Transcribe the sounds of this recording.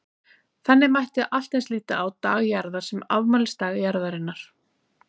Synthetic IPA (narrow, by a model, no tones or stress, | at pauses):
θɛnːɪmajht̪ɪaʔal̥t̪ensliːt̪a̰ːwt̪aːɣjaɾðḁsɛma̰vmaːlɪst̪aːɣjaɾðaɾɪnːaɾ̥